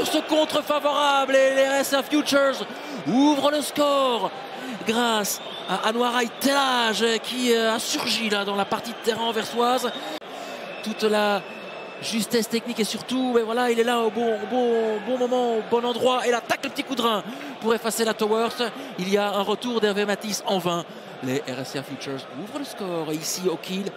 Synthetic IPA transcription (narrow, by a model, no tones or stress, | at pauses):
syʁsəkɔ̃t̪χəfavɔʁablelɛʁɛsɛfjut͡ʃəʁz | uvʁələskɔʁ | ɡʁas | aʔanwaʁajt̪elaʒkʲʰiøasyʁʒilad̪ɑ̃lapaʁt̪id̪t̪ɛʁɛ̃vɛʁswaz | t̪ut̪la | ʒyst̪ɛst̪ɛknikesyʁt̪umɛvwalailɛlaobɔ̃bɔ̃bɔ̃mɔmɑ̃bɔ̃nɑ̃d̪ʁwaelat̪akləpət̪ikud̪ʁɛ̃ | puʁefaselat̪ɔwœʁs | iliaɛ̃ʁət̪uʁd̪ɛʁvemat̪isɑ̃vɛ̃ | leʔɛʁɛsafjyt͡ʃœʁzuvʁələskɔːʁeisiokʰʲil